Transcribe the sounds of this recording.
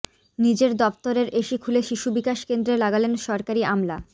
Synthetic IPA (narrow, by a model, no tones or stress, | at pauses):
nid͡ʑeɾd̪ɔpt̪oɾeɾʔeʃikʰuleʃiʃubikaʃkend̪ɾelaɡalenʃɔɾkaɾiamla